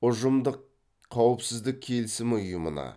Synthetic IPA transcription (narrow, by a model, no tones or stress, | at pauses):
ʊʒəmd̪əq̚ʰː | ɑwəpsɪzd̪ɪk̚ʲʰe̞lsɪmɪʊjəmə̰nɑ̰